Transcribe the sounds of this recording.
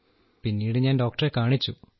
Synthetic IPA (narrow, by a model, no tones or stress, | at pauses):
pinːiːɽɨɲaːnɖo̞ːk̚ʈɐrekaːɳit͡ɕːu